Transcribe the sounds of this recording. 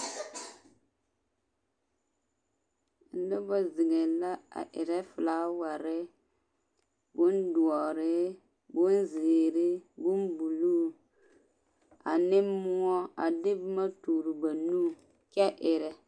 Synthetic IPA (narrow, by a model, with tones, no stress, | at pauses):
lʊ˦bɔ˦zɪ˨ŋe˨la˦a̰˨ʔɪ̰˨ɾɛ˦fla˦wa˨ɾɪ˦ | bʊ˦ndu˨ɔ˨ɾɪ˦ | bʊ˦nze˨ɾɪ˦bu˦nbu˨lu˦ | a̰˨nɪ˦mʊ˦ɔ˦a˨dɪ˦bma˦tuː˨ɾu˨ba˨nu˦ | kɛ˦ʔɪ˨ɾɛ˨